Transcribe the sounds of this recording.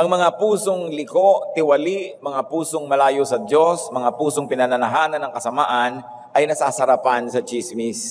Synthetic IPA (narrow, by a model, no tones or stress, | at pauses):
ʔɐŋmɐŋapuːso̞ŋlɪko̞ʔt̪ɪwɐliʔmɐŋapuːso̞ŋmɐlaːjosɐd̪jo̞smɐŋapuːso̞ŋpɪnɐnɐnɐɦaːnɐnːɐŋkɐsɐmaːʔɐn | ʔɐjnɐsaːsɐɾɐpansɐt͡ʃismis